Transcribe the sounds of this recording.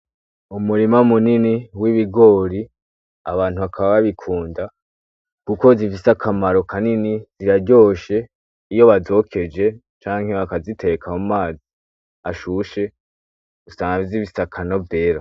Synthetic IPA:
umuɾimamuniniwiβiɡo̞ːɾi | a̰βaːn̥uβakʰaβaβaβikʰuːnda | kuko̞zifisakʰamaɾo̞kʰaniniz̥iɾaɟo̞ːʃe̞ | ijo̞βazo̞kʰe̞d͡ʒe̞ | t͡ʃaːŋhe̞βakazitʰe̞kʰamumaːzi | aʃuʃe̞ | ɡ̥usaŋavziβisakʰano̞vde̞ːɾa

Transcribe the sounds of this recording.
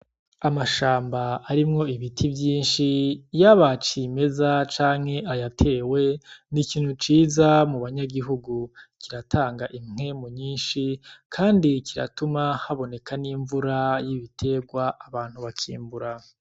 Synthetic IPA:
amaʃaːmbaːɾimŋo̞iβitʰibjiːnʃijaβat͡ʃime̞zat͡ʃaːŋ̥he̞ʔajatʰe̞ːwe̞nikiːn̥hut͡ʃiːzamuβaɲaɡiɦuɡukiɾatʰaːŋɡaʔimŋe̞muɲiːnʃikʰaːndikiɾa̰tumahaβo̞ne̞kaniɱvuɾajiβitʰe̞ɡwaʔaβaːn̥huβakʰḭːmbuɾa

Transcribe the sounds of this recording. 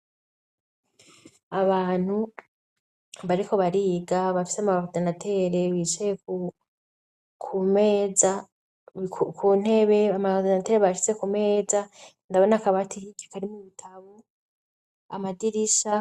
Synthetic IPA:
aβaːn̥hu | βaɾikʰo̞βaɾiːɡaβafi̥seamaodenatʰe̞ɾeβiːt͡ʃeku | kʰume̞ːza | kʰuːn̥e̞βe̞amadenateːɾeβaʃi̥t͡se̞kume̞ːza | ndaβo̞nakaβatʰiikakaɾimuβitʰaβo | a̰madiɾiʃa

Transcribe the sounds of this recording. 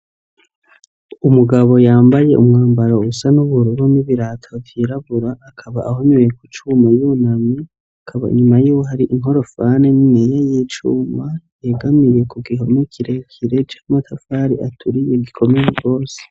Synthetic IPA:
umuɡaβo̞jaːmbaje̞ʔumŋaːmbaɾausanuβuɾuɾuniβiɾatʰovjiɾaβuɾaːkʰaβaʔahoɲejekut͡ʃuːmajunami | akʰaβa̰ḭɲumajuːwoɦaɾiʔiŋɦo̞ɾo̞fanemŋejajiːt͡ʃuːmajeɡamije̞kuɡiɦomikʰiɾe̞kʰiɾe̞t͡ʃḁːmatʰafaːɾiʔatʰuɾije̞ɡikʰo̞mejeɡo̞ːse̥

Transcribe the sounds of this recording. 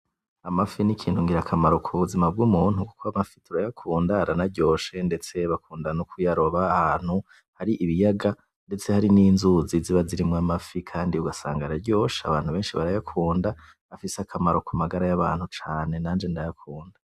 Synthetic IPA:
amafinikʰiːn̥huŋɡiɾakʰamaɾokʰuβuzimab̚ɡuːmuːn̥huku̥kʰoamafitʰuɾajakʰuːndaɾanaɾɟo̞ːʃe̞nde̞t͡se̞βakʰuːndanukʰujaɾo̞βaːhaːn̥hu | haɾiʔiβijaɡa | nde̞t͡se̞haɾininzuziziβaziɾimŋamafikʰaːndiuɡasa̰ːŋɡaɾaɾɟo̞ːʃea̰βaːn̥huβe̞ːnʃiβaɾajakʰuːnda | afiseakʰamaɾo̞kʰumaɡaɾajaβaːn̥hut͡ʃaːne̞naːnd͡ʒe̞ndajakʰuːnda

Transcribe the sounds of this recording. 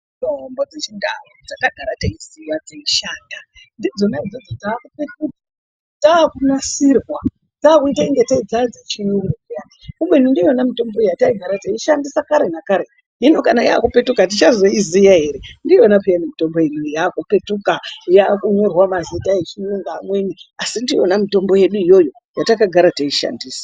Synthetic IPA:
tombo̞d͡zet͡ʃiŋɡarod͡zakaɡʱaɾataiziwad͡zeiʃaːnda | ndid͡zonaid͡zod͡zotaːkupetkuti | taːkunasirwa | taːkuitaiŋɡe̞taid͡zad͡zet͡ʃijuŋɡukijaikumbweinundionamito̞mbo̞ejataiɡʱaɾataiʃandisakaɾenakaɾe̞ | ɦinokanaja̰kupe̞tukat̬it͡ʃazo̞izijaɦe̞ɾendionapijanimito̞mbo̞jenujaːkupe̞tukajakuɲo̞rwamazitaet͡ʃinuŋɡaːmwe̞niasindionamito̞mbo̞je̞ɗuijo̞jo̞ | jatakaɡʱaɾataiʃa̰ndiːsḁ

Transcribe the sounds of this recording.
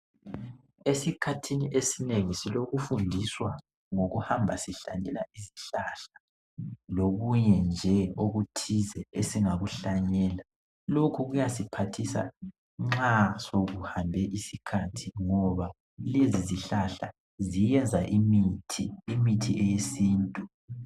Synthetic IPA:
esikʰatʰiniʔesineŋisiloɣufundʱiswa | ŋoɣuhambʱasiɬa̰ɲɛlaiziɬaɬḁ | loɣuɲɛnd͡ʒʱɛoɣutʰizɛesiŋaɣuɬaɲɛːla | lokʰuɣujasipʰatʰisa̰ | ŋ͡ǁasoɣuhambʱɛʔisikʰatʰiŋɔβa | leziziɬaɬa̰ | zijɛnd͡zʱaʔimitʰiːmitʰiɛjesiːntʼu

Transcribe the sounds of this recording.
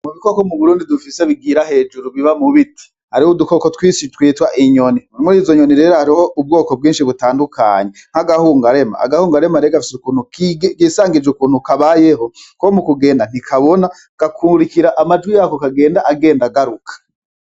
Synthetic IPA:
muβikokomuβuɾuːndidufiseβiɡiːɾahe̞ːd͡ʒuɾuβiβamuβitʰi̥ | haɾihuduko̞kotwiːsitwiːtwaʔiɲo̞nimuɾimuɾiːzo̞ɲoniɾe̞ːɾohaɾiho̞ʔub̚ɡo̞ːkob̚ɡiːnʃiβutaːndukʰa̰ɲe̞ŋ̥haɡahuːŋɡaɾe̞ma̰a̰ɡahuːŋɡaɾe̞maɾeɡafi̥sukuːnhukɡiːsaːŋɡid͡ʒukuːn̥hukaβaje̞ɦo̞komukuɡe̞ːndan̥ikʰaβo̞na | ɡ̥akʰuːɾikiɾaʔamad͡ʒɡwijaːkokaɡe̞ːndaʔaɡe̞ːndaɡaɾukʰḁ

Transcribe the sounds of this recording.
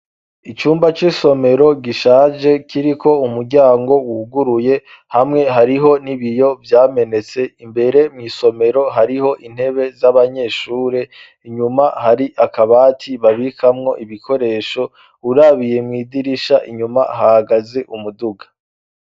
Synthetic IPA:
it͡ʃuːmbat͡ʃiso̞me̞ɾo̞ɡiʃaːʒe̞kʰiɾikʰo̞umuɾɟaːŋɡo̞wuhuɡuɾuje̞ | hamŋe̞ɦaɾiɦo̞niβijo̞vjaːme̞ne̞t͡se̞imbe̞ɾe̞mŋiːso̞me̞ɾo̞ɦaɾiho̞ʔin̥he̞βe̞zaβaɲe̞ːʃuːɾe̞ | iɲumahaɾiʔakaβaːtʰiβaβikʰamŋo̞ʔiβikʰo̞ɾe̞ːʃo̞ | uɾaβije̞mŋiːdiɾiʃaʔiɲumaɦahaɡaze̞ʔumuduɡḁ

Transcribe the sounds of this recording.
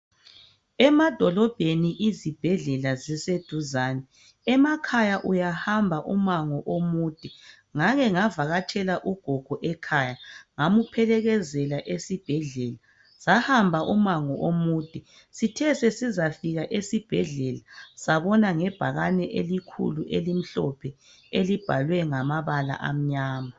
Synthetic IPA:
ɛmad̥ʱɔlɔb̥ʱeniʔizib̥ʱɛɮɛlazised̥ʱuzaːnɛ | ɛmakʰajaʔujahambʱaʔumaŋɔʔomuːd̥ʱi | ŋaɣɛŋavaɣat͡ʃʰɛlaʔuɡ̥ʱɔɡ̥ʱɔʔɛkʰaːjaŋamupʰɛlɛɣɛzɛlaʔesib̥ʱɛɮɛːla | sahambʱaʔumaŋɔʔomuːd̥ʱi | sitʰɛsɛsizafiɣaʔesib̥ʱɛɮɛlasaβɔnaŋɛb̥ʱaɣanɛʔelikʰṵluʔelim̩ɬɔpʰɛ | elib̥ʱalwɛŋamaβala̰ʔa̰m̩ɲaːma

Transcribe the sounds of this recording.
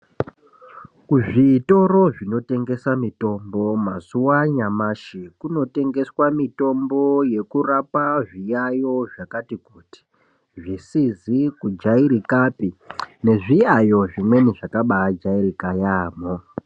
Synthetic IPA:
kuʐito̞ɾo̞ʐino̞te̞ŋɡe̞samito̞mbo̞mazuwaɲamaʃikuno̞te̞ŋɡe̞swamito̞mbo̞je̞kurapaʐijajo̞ʐakatikuːti̥ | ʐisizikud͡ʒaiɾikapine̞ʐijajo̞ʐimwe̞niʐakaɓad͡ʒairikajaːmo

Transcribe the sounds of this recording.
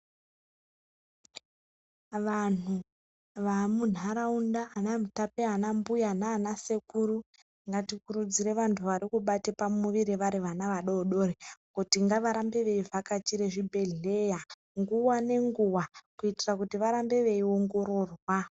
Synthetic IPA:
ʋan̤u | ʋamun̤ʱaɾaundaːnamutapeanambujanaːnase̞kuru | ŋɡatikuɾud͡ziɾe̞ʋantʰuʋaɾikuɓatepamuʋiɾiʋaɾiʋanaʋaɗoːɗo̞rekutiŋɡaʋaɾambe̞ʋe̞ivakat͡ʃiɾeʐibʱe̞ɮe̞ja | ŋɡuwane̞ŋɡuwakuitirakutiʋaɾambe̞ʋe̞io̞ŋɡo̞ɾo̞ːrwa

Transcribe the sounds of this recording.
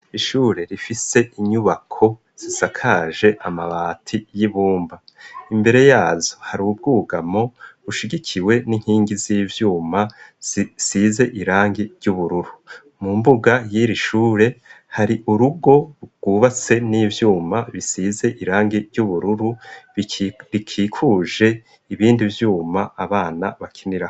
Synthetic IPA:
iʃuːɾe̞ɾifise̞iɲuβakʰo̞ | z̥isakʰaʒe̞ʔamaβaːtʰijiβuːmbaimbe̞ɾe̞jaːzohaɾub̚ɡuːɡamo̞uʃiɡikʰiwe̞niŋ̥hiːŋɡiziːvjuːmaz̥isize̞ʔiɾaːŋɡiɾɟuβuɾuɾu | mumbuɡajiɾiʃuːɾe̞ | haɾiʔuɾuɡo̞ɡ̥uːβat͡se̞niːvjuːmaβisize̞ʔiɾaːŋɡiɾɟuβuɾuɾu | ɾikʰikʰuːʒe̞ | iβiːndivjuːmaaβaːnaβakʰiniɾaho

